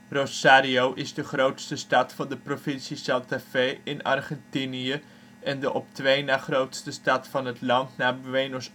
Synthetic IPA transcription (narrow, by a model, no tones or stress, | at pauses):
rosaːɾiowʔɪzdəχrowtstəstɑtfɑndəprofɪnsisalˠtafejɪnɑ̰rχɛntiniə | ɛndəʔɔptʋejnaːχrowtstəstɑtfɑnɦətlɑntnaːbʋejnɔs